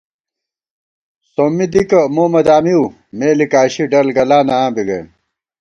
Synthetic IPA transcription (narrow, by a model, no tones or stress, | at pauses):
soːmid̪ikɐmuːmɐd̪aːmiu | meːlikaːɕiɖɐlɡɐlaːnaãːbiɡḛn